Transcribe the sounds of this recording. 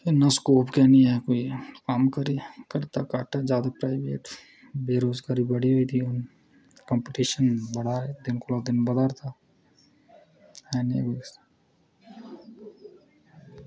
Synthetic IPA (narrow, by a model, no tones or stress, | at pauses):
enaskoːpkɛniɛkoːikaːmkəɾikɐɾt̪akaːʈad͡ʒjaːd̪apɾaːɪbḛːʈ | beːɾoːzɡaːɾibɐɽiɦoːit̪ʰiʊn | kə̃mpeʈiːʃənbɐɽaed̪ɪnkolad̪ɪnbəd̪aɾt̪aː | ɛnḛɡeːs